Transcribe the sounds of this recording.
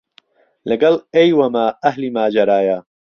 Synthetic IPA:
lɐɡɐlejwɐmaːɐhlimaːd͡ʒɐɾaːja

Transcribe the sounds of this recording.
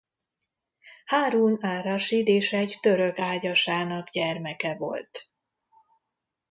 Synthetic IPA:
haːɾuːnaːɾɒʃid̪eːʃɛɟt̪ø̞ɾøkaːɟɒʃaːnɒɡɟɛrmɛkɛvo̞̰lt̪

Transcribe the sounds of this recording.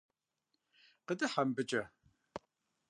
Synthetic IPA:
qədɨħambɨt͡ʃʼɐ

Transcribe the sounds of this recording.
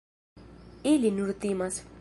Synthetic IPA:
ilinuɾt̪imas

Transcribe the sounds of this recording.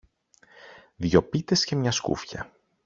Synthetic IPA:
ðʝo̞pit̪e̞sce̞mɲɐskṵfçɐ̰

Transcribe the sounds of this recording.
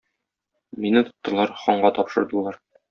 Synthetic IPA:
minɘt̪ŏ̥t̪ːɤ̆lˠɑɾχɒɴɢɑt̪ɒpʃɤ̆ɾd̪ɤ̆lˠɑɾ

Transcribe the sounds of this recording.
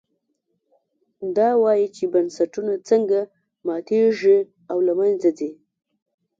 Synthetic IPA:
d̪ɑwɑjit͡ʃebansaʈunat͡səŋɡa | mɑt̪ʰeʐi | awlamanzadi

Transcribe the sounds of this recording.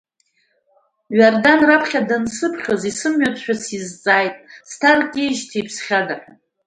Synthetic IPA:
ɥardanrapʰχʲadɨnsɨpʰχʲozisɨmɥat͡sʰʃᶣasizt͡sʼaːjtʼstʰarkʼeʒtʰejpʰsχʲada

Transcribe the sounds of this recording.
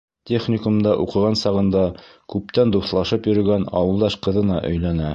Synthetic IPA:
t̪ʲeχnʲɪkumd̪ɑʔuqɤ̆ʁɑnsɑʁɤ̆nd̪ɑkʉp̚t̪ænd̪uθlˠɑʃɤpjɵ̆ɾɵ̆ɡænɑ̰wɤ̆lˠd̪ɑʃqɤ̆ðɤ̆nɑʔɵ̆jlænæ

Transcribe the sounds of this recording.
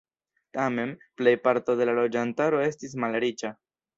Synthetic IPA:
tame̞nple̞jpaɾto̞de̞lalo̞d͡ʒantaɾo̞e̞stis̬malɾit͡ʃa

